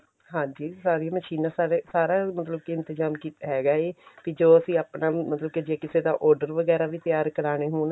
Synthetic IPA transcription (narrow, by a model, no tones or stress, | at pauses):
ɦãːd͡ʒiːsaːɾiaːməʃiːnãːsaːɾeːsaːɾaːmət̪ləb̚kɪɪnt̪ɪzaːmkiːt̪ːɦɛːɡaːeːkid͡ʒoːəsĩːaːpnaːmət̪ləb̚ked͡ʒeːkɪseːd̪aːʔɔːɾɖəɾʋəɡɛːɾaːʋiːt̪ɪjaːɾkəɾaːɽ̃eːɦoːn